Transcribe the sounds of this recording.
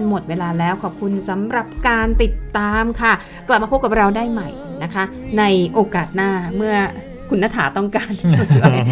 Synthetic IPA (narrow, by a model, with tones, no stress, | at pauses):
nmo˨˩t̪̚weː˧laː˧lɛː˦˥wkʰɔː˨˩p̚kʰu˧nsa˩˦mɾa˨˩p̚kaː˧nt̪i˨˩t̪ːaː˧mkʰa˥˩ | kla˨˩p̚ma˧o˦˥p̚ka˨˩p̚ɾa˧wdaː˥˩jma˨˩j | na˦˥kʰa˦˥ | na˧jʔoː˧kaː˨˩t̪̚naː˥˩mɯ˥˩ɐ | kʰu˧nːa˦˧t̪ʰaː˩˦t̪ɔ˥˩ŋkaː˧nɔ˥˩t͡ɕʰi˧˩a˩j